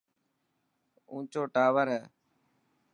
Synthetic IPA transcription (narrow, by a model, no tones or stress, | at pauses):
ũːt͡ʃoːʈaːʋəɾɦɛː